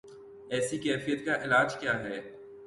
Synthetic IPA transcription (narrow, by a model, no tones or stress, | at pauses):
ɛːsikɛːfijət̪kaʔɪlaːd͡ʒkjaːɦɛː